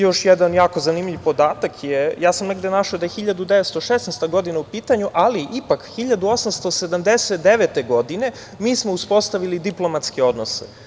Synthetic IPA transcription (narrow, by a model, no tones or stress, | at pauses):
jo̞ʃjed̪anjaːko̞zanimʎʲivpo̞d̪aːt̪akʰjejaːsamneɡd̪enaʃaod̪ajexiʎad̪ud̪e̞ʋet̪st̪oʃesnest̪aɡo̞d̪inaupiːt̪aɲuʔaliʔipakxiʎad̪uo̞samst̪o̞se̞d̪amd̪e̞set̪d̪e̞ʋe̞t̪e̞ɡo̞d̪ine̞ | miːsmo̞uspo̞st̪aʋilid̪iplˠo̞mat̪skeo̞d̪no̞sḛ